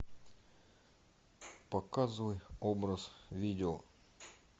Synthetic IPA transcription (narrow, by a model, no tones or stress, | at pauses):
pɐkazɨvəjobɾəsvʲidʲɪo